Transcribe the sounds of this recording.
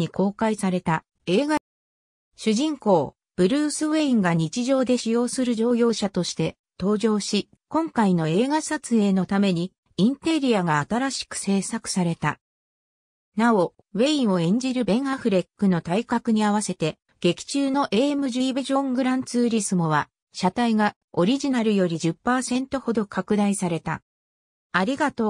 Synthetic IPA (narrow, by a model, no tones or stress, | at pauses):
ikʰo̞ːkaisaɾe̞t̪a | e̞ːɡa | ɕɨʑĩŋko̞ː | b̥ɯ̟ɾɯ̟ːsɨβe̞ĩŋɡaɲ̟it͡ɕiʑo̞ːd̪e̞ɕijo̞ːsɨɾɯ̟ʑo̞ːjo̞ːɕat̪o̞ɕi̥t̪e̞ | t̪o̞ːd͡ʑo̞ːɕi | kõ̞ŋkaino̞e̞ːɡasat͡sɨe̞ːno̞t̪ame̞ɲ̟i | ĩnt̪e̞ɾʲiaɡaːt̪aɾaɕi̥kɯ̟̥se̞ːsakɯ̟̥saɾe̞t̪a | nao̞ | βe̞ĩɰ̃o̞ẽ̞ɲ̟d͡ʑiɾɯ̟bẽ̞ɰ̃aɸɯ̟ɾe̞kːɯ̟no̞t̪aikakɯ̟ɲ̟iaβase̞t̪e̞ | ɡ̥e̞kʲi̥t͡ɕɨːno̞ʔe̞ːmɯ̟ʑɨibeʑõ̞ŋɡɯ̟ɾãnt͡sɨːɾʲisɨmo̞β̞a | ɕat̪aiɡa | o̞ɾʲiʑinaɾɯ̟jo̞ɾʲid͡ʑɨpːaːsẽ̞nt̪o̞ho̞d̪o̞kʰakɯ̟d̪aisaɾe̞t̪a̰ | aɾʲiɡat̪o̞